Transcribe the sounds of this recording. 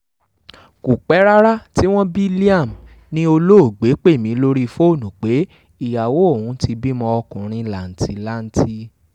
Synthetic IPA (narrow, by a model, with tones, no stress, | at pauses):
ku˨k͡pɛ˨˦ɾa˦ɾa˦ti˦w̃ɔ̃˦bi˦li˦a˦˨m˨ | nĩ˦o˧lo˦o˦˨ɡ͡be˨˦k͡pe˦˨mĩ˨˧˦lo˦ɾi˦fo˦˨nũ˨k͡pe˨˦ | i˨ja˨wo˨˦o˦˨wũ˨˦ti˧bi˦mɔ̃˧ɔ˧kũ˨ɾ̃ĩ˧la˨n̩˨ti˨la˦n̩˦tʰi˦